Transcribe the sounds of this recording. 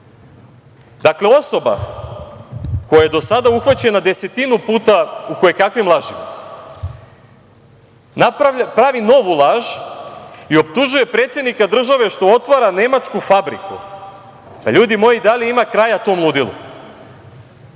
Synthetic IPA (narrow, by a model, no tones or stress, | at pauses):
d̪akle̞o̞so̞ba̰ | ko̞jajed̪o̞sad̪auxʋat͡ɕenad̪e̞se̞t̪inupuːt̪auko̞jekakʋimlˠaʒḭm | napɾaʋino̞ʋulˠaːʒ | io̞p̚t̪uʒuje̞pɾet̪sjed̪nikad̪r̩ʒaʋe̞ʃt̪o̞ot̪ʋaɾane̞mat͡ʃkufabɾḭkṵ | p̪aʎuːd̪imo̞jid̪aliimakɾajat̪o̞ːmlˠud̪ilˠṵ